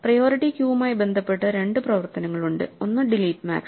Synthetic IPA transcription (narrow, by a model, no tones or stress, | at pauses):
prɐjo̞ːɾiʈːikjuːmaːjbe̞nd̪ʱɐpːe̞ʈːɐɾe̞ɳɖɨprɐʋɐrt̪ɐnɐŋːɐɭuɳɖɨ̰o̞nːɨɖiliːʈːma̰ːk